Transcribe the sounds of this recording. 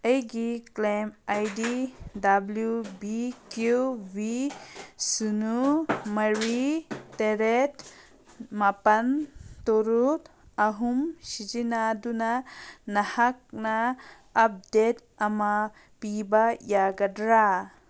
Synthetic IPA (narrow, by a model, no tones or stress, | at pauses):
əjɡiklemajdidabljubikjuwi | sunumɐɾit̪eɾet̪ | mapɐnt̪oɾut̪ | ɐɦumʃid͡ʒinad̪unanɐhak̚naː | p̚d̪et̪ | ɐma | pibajaɡɐdɾa